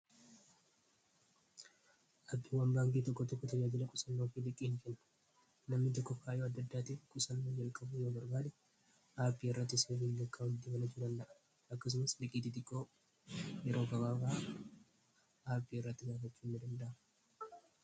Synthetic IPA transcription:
ʔɐbːɪwɐmbaːnk̪ʼiːt̪ɔkːɔt̪ɔkːɔt̪ɐd͡ʒaːd͡ʒɪlɐkʼʊsɐnːoːfɪlɪkʼiːŋfɛnːɐ̥ | nɐmnɪt̪ɔkːɔkːaːɪjoːɐd̪ːɐd̪ːaːt̪iːfkʼʊsɐnːoːd͡ʒɐlkʼɐbʊjoːbɐɾbaːd̪ɛ | ʔaːpːiːɪrːɐt̪ːɪseːmiːŋɡɐkʼːaʊd̪ɪbɐnɐt͡ʃːuːd̪ɐnd̪ɐʔɐ̥ | ɐkːɐs̬ʊmɐslɪkʼiːt̪ɪt̪ɪkʼːo̞ː | jɛɾo̞ːɡɐbaːfaː | aːpːiːɪrːɐt̪ːɪɡaːfɐt͡ʃːuːnːɪd̪ɐnd̪ɐʔɐm

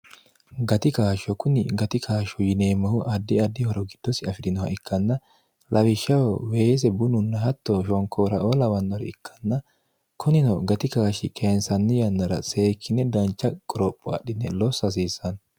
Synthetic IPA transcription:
ɡɐt̪ɪkaːʃɔkʊnɪɡɐt̪ɪkʰaːʃɔjɪneːmːɐhʊʔɐd̪ːɪɐd̪ːɪhɔɾɔɡɪd̪̥ːɔsɪɐfɪd̪ɪnɔwɐ̰ɪkʰːɐnːɐ | lʔɐwɪʃːɐwɔweːs̬ɛbʊnʊnːɐhɐt̪ːɔʃɔŋkʰoːɾɐʔoːlɐwɐnːɔɾɛ̰ɪkʰːɐ̥nːɐ | kʰʊnɪnɔɡɐt̪ɪkaːʃɪkʰensɐnːɪjɐnːɐɾɐ̰se̞ːkʰːɪnɛd̪ɐnt͡ʃːɐkʼɔɾɔpʼːɔɐ̰ɗɪnːɛlɔsːɐs̬iːsːɐn

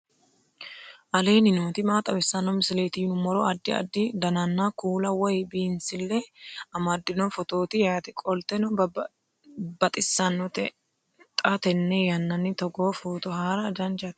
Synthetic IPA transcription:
ʔɐle̞ːnɪnoːt̪ɪmaːt̪ʼɐbɪsːɐnːɔmɪsɪle̞ːt̪ɪjʊnʊmɔɾɔɐd̪ːɪɐ̰d̪ːɪd̪ɐnɐnːakuːlɐwɔjbiːnsɪlːɛɐmɐd̪ːɪnɔfɔt̪o̞ːt̪ɪjaːt̪ɪkʼɔlt̪ɛnɔ | b̥ɐt̪ʼɪsːɐnːɔt̪ɛ | t̪ʼɐt̪ɛnːɛjɐnːɐnːɪt̪ɔɡoːfuːt̪ɔhaːɾɐd͡ʒɐnd͡ʒɐt̪

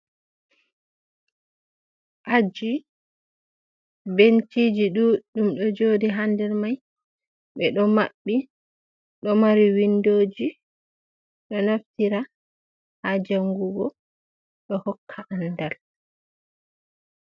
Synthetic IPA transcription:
ʔad͡ʒi | bentid͡ʒiɗuɗumɗɔd͡ʒodiɦandɛɾmaj | ɓɛɗɔmaɓːi | ɗɔmaɾiwindoːd͡ʒi | ɗɔnaftiɾa | had͡ʒaŋɡuɡɔ | ɗɔhɔkʰːaʔandal

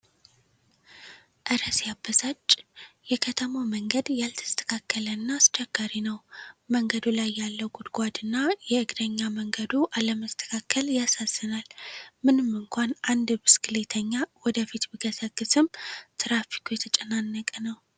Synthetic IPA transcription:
ʔɨɾəsjabːəzat͡ʃʼːjɛkʰət̪ʰəmawməŋɡəd̪jalt̪ʰɨ̥st̪ʰə̥kʰakːələnːast͡ʃɛɡ̥aɾinəwməŋɡəd̪ulajːalːəwɡud̪ɡʷad̪ɨnːajɛɨɡd̪əɲːaməŋɡəd̪uʔaləməst̪ʰə̥kʰakʰːəljasazːɨnalmɨnɨmɨŋkʷʰanʔand̪bɨskɨlet̪ʰəɲːawɔd̪əfit̪biɡəsəɡːɨsɨmt̪ʰɨɾafi̥kʰujɛt̪ʰət͡ʃʼɛnanːəkʼənəw

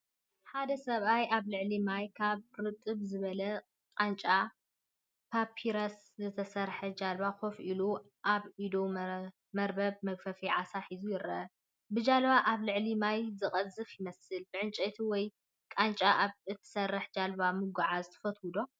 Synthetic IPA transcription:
ħad̪ɐsɐβajaβlɨʕlimajkʰaβɾɨt̪ʼːɨβzɨβɐlɐ | kʼant͡ʃʼa | pʰapʰiɾɐs | zɨt̪ʰɐsɐɾħɐd͡ʒalβakofʔilu | ʔaβʔid̪o | mɐɾbɐβmɐɡfɐfiʕasaħizujɪɾɐ | bɨd͡ʒalβaʔaβlɨʕlimajzɨkʼɐzɨfjɪmɐsɨlbɨʕɨnt͡ʃʼet̪ʰiwɔj | kʼant͡ʃʼaʔaβɨt̪ʰɨ̥sɐrːɨħd͡ʒalbamɨɡaʕazɨt̪ʰɐ̥fɐt̪ʰwud̪o

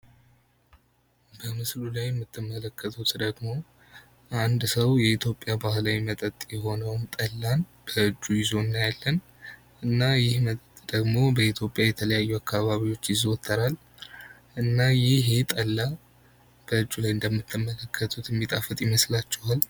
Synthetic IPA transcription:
bəmɨslulajɛmːɨt̪ʰːɨmːələkʰːət̪ʰut̪d̪əɡmo̞ | ʔand̪səwjɛit̪ʰjo̞pʼjabahlawimət̪ʼət̪ʼjɛɦo̞nəwmt̪ʼəlːanb̥əɨd͡ʒːujɪzo̞nːajalːən | ʔɨnːajɪhmət̪ʼət̪ʼd̪̥əɡmo̞bəit̪ʰjo̞pʼjajɛt̪ʰələjajːuakʰːaβaβiwo̞t͡ʃːjɪzot̪ʰːəɾal | ʔɨnːajɪɦet̪ʼəlːa | b̥əɨd͡ʒːulajɨnd̪əmːɨt̪ʰːɨmːələkʰːət̪ʰut̪jɛmːit̪ʼafət̪ʼjɪməslat͡ʃːɛwal

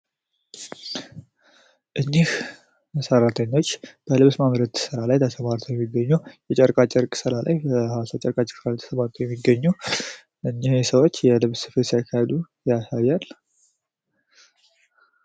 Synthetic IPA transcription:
ʔɨɲːih | məsəɾat̪ʰəɲːo̞t͡ʃːb̥əlɨβsmamɾət̪t̪ɨ̥sɨɾalajt̪ʰəsəmaɾt̪ʰəwjɛmːiɡːəɲːujɛt͡ʃʼəɾkʼat͡ʃʼɛɾkʼsɨɾala̰jbəhawasat͡ʃʼəɾkʼat͡ʃʼɪɾsɨɾalat̪ʰə̥səmaɾt̪ʰəwjɛmːiɡəɲːu | ʔɨɲːihsəwot͡ʃːjɛlɨβsɨ̥fət̪sijakʰːahed̪u | jasajalː

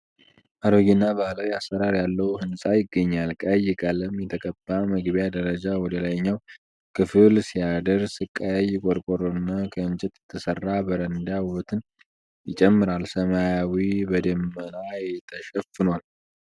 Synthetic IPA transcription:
ʔaɾoɡɪnːabəlawiasːəɾaɾjalːəwhɨnsʼajɪɡːəɲːalkʼəjɪkʼaləmjɛt̪ʰəkʼəb̥ːaməɡβjad̪əɾəd͡ʒawɔd̪əlajɲːaw | kʰɨfɨlsijad̪əɾsɨkʼːəjɪkʼɔɾkʼɔɾunːakʰəɨnt͡ʃʼɛt̪jɛt̪ʰːɨsərːabəɾənd̪awɔt̪ʰɨn | jɪt͡ʃʼɛmːɨɾalsəmajawibəd̪əmːənajt̪ʰəʃɛfːɨnwal

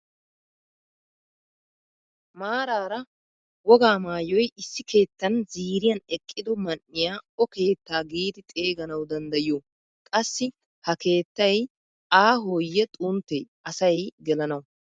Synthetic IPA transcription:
maːɾaːɾɐ | wɔɡaːmaːjɔjɪsːɪkʰe̞ːt̪ːɐnziːɾɪjɐnɛkʼːɪd̪ɔmɐnːɪjaːɔke̞ːt̪ːaːɡiːd̪ɪt̪ʼe̞ːɡɐnɐwd̪ɐnd̪ɐjɪjoː | kʼɐsːɪ | hɐke̞ːt̪ːɐj | aːɦoːjːɛt̪ʼunt̪ːɛj | ɐsɐjɡɛlɐnɐwʊ

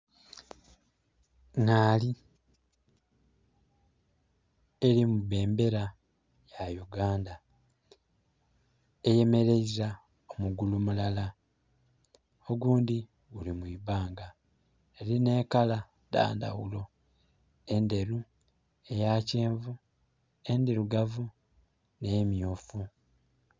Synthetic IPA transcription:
naːli | eɾimuβe̞ːmbe̞ɾa | jajuɡaːnda | eje̞me̞ɾe̞iza | omuɡulumulala | oɡuːndi | ɡulimuiβaːŋɡa | eɾine̞ːkala | da̰ːnda̰ɣṵlo̞ | e̞nde̞ɾu | e̞jace̞ːɱvu | e̞ndiɾuɡavu | ne̞ːmjoːfu

